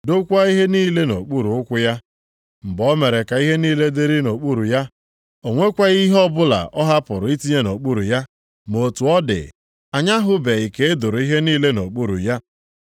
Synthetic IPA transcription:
do˦kʷa˦i˦ɦe˦niː˦le˦no̰˨k͡pu˦ɾu˨ʊ˦kʷʊ˦ja˦ | m̩˨bɔ˦me˨ɾe˨ka˨i˦ɦe˦niː˦le˦de˦ɾi˦no˨k͡pu˦ɾu˨ja˦ | o˨ŋʷe˦kʷa˦ɣi˦ɦɔ˦bʊ˦la̰˨ɔ˦ɦa˦pʊ˨ɾʊ˨i˦ti˦ɲe˦no˨k͡pu˦ɾu˨ja˦ | mo˨tu˨ɔ˦dɪ̰˨ | a˨ɲa˦ɦʊ˦be˨i˨ke˨e˦dʊ˨ɾʊ˨i˦ɦe˦niː˦le˦no˨k͡pu˦ɾṵ˨ja˦

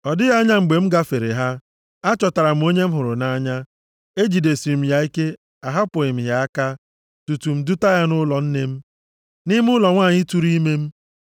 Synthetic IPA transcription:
ɔ˨dɪ˦ɣa˦ɲa˦ŋ͡m̩˨ɡ͡be˨m̩˦ɡa˦fe˨ɾe˨ɦa˦ | a˦t͡ʃɔ˨ta˨ɾa˨m̩˨˦o˦ɲe˦m̩˦ɦʊ˨ɾʊ˨na˦ɲa˦ | e˦d͡ʒi˨de˨si˨m̩˨ja˨i˦ke˦ | a˨ɦa˦pʊ˨ɪ˨m̩˨ɦja˨a˦ka˦ | tu˨tu˨m̩˨du˦ta˦ja˦nʊ˦lɔ˨n̩˦ne˦m̩˦ | nɪ˦m˦ʊ˦lɔ˨ŋʷaː˦˨ɲɪ˦tu˨ɾi˦me˦m̩˦

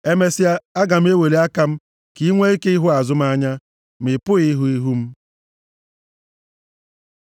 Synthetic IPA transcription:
e˦me˦si˦a˦a˦ɡa˨m̩˦e˦we˨le˨˦a˦ka˦m̩˦ | ki˦ŋʷe˦i˦ke˦i˦ɦʊ˦a˨zʊ˦m̩˦a˦ɲa˦ | m̩˨ɪ˨pʊ˦ɣi˦ɦu˦i˦ɦu˦m̩˦

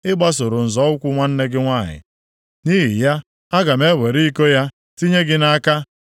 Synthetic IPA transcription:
ɪ˦ɡ͡ba˦s̬o˨ɾʊ˨n̩˨zɔ˨˦ʊ˦kʷu˦ŋʷa˦n̩˦ne˦ɡɪ˦ŋʷa˦˨ɦɪ̰˨ | ni˦ɦi˨ja˦ | a˦ɡa˨me˦we˨ɾi˦i˦ko˦ja˦ | ti˦ɲe˦ɡɪ˦na˦ka˦

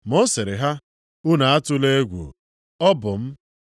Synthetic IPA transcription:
mɔ˦se˨ɾɪ˨ɦa˦ | ʊ˦na˨a˦tʊ˦le˦ɡʷṵ˨ | ɔ˦bʊ˨m̩˦

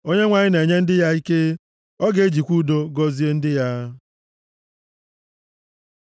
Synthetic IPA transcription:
o˦ɲe˦ŋʷa˨ɲɪ˦ne˨ɲe˦n̩˦dɪ˦ja˦i˦ke˦ | ɔ˦ɡe˨e˦d͡ʒi˨kʷu˦do˦ɡɔ˦zi˦e˦n̩˦dɪ˦ja˦

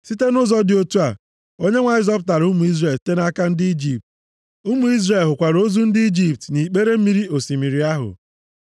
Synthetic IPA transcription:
si˦te˦nʊ˦zɔ˦dɪ˨o˦tu˦a˨ | o˦ɲe˦ŋʷa˨ɪ˦zɔ˦bʊ˦t̬a˨ɾu˦mu˨˦i˦zre˨lte˦na˦ka˦n̩˦dɪ˦i˦d͡ʒi˨p̚t | u˦mu˨i˦zre˨lɦʊ˨kʷa˨ɾo˦zu˦n̩˦dɪ˦i˦d͡ʒi˨p̚tni˨k͡pe˦ɾe˦m̩˦mi˦ɾi˦o˨si˨mi˨ɾi˨a˦ɦʊ̰˨

